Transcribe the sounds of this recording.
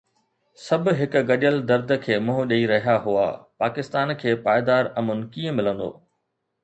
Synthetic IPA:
sɐbʱʊ̆ɦɪkʊ̆ɡɐɗəld̪ɐɾd̪ʱəkʰeːmʊ̃ɦʊɗɐiɾɐɦijaɦua̰ːpaːkɪst̪aːnkʰeːpaːɪd̪aːɾɐmʊnɪkiːə̃mɪlə̃nd̪o̰ː

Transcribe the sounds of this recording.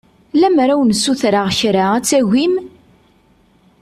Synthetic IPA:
læmɾæwnsːuθɾaʁçɾaæt͡sːæʝʷim

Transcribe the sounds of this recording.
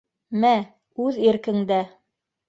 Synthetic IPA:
mæ | ʉðiɾkɘ̆ŋd̪æ

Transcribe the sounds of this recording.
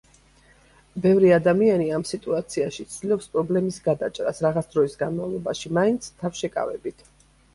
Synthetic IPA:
bɛvɾiad̪amianiamsit̪ʼuat̪sʰiaʃit̪sʰd̪ilˠɔpspʼɾɔblɛmisɡad̪at͡ʃʼɾa̰sɾaʁat̪sʰd̪ɾɔisɡanmavlˠɔbaʃimaint̪sʰt̪ʰafʃɛkʼa̰vɛ̰bit̪ʰ

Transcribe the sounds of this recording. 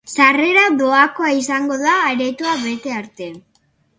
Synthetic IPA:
sare̞ɾaðo̞ako̞aisaŋɡo̞ðaːɾe̞t̪uaβe̞t̪e̞aɾt̪e̞

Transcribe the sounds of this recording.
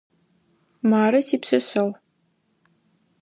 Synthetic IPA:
maːɾɐsiːpsɨɕɐl

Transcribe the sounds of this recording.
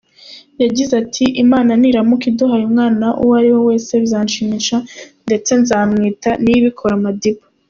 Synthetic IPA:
jaɟizatʰiʔimaːnaniɾamukiduɦajumŋaːnaʔṵwaɾiwo̞we̞ːse̞βzaːnʃimiʃande̞t͡se̞nzaːmŋiːtaniβikʰo̞ɾamadipa

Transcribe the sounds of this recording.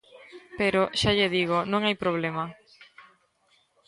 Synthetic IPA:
peɾoʃaʎeðiɣ̞onõŋajpɾoβ̞lemɐ

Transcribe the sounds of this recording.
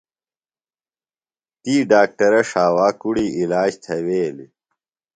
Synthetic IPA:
t̪iːɖaːk̚ʈɐɾɐʂaːwaːkuɽiːilaːd͡ʑt̪ʰɐweːlḭ

